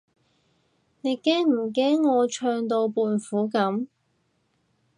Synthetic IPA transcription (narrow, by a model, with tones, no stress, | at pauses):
ne˨˧jkɛː˥ŋm̩˨˩kɛː˥ŋːɔː˨˧t͡ʃʰœː˧ŋt̪o˧wpuː˨˧nfuː˨˥kɐ˨˥m